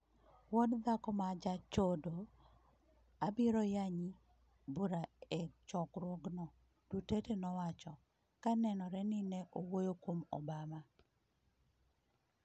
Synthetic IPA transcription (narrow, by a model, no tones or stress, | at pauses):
wɔdd̪akɔmad͡ʒat͡ʃodo | abiɾɔjaɲi | buɾaɛt͡ʃɔkɾwoɡnɔ | d̥utetenɔwat͡ʃɔ | kanɛnɔɾɛnɪnɛʔowojokwomɔ̰bama